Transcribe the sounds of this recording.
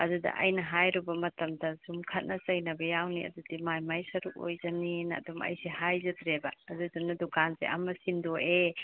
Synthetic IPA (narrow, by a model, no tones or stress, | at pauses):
ɐdudɐ̰ʔɐ̰jnɐɦajɾubɐmɐtɐmdɐsumkʰɐt̚nɐsɐjnɐbɐjawniɐ̰dudimajmajsɐɾuk̚o̰jzɐninɐ̰dumɐ̰jsehajzɐtɾebɐːduzunɐdukʰansḛʔɐmɐsindoʔe